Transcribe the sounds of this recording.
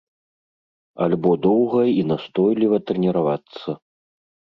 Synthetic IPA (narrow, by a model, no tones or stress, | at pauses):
a̰lʲbɔd̪ɔwɣɐinast̪ɔjlʲivɐt̪ɾɛnʲɛɾavat̪sːɐ